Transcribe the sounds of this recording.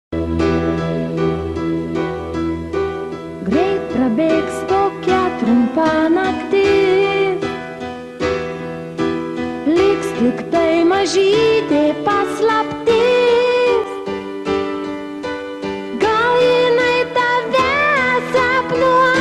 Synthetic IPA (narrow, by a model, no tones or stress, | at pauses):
ɡɾʲɛɪt̪̚pɾɐbʲeːkst̪okʲæt̪ɾʊmpɑnɐkt̪ʲɪ | lʲɪkslʲɪkt̪ɐɪmɐʒʲiːt̪ʲepɐslˠɐpʲt̪ʲɪ | s | ɡɐlˠjɪnɐɪt̪ɑʋʲæsɛpnu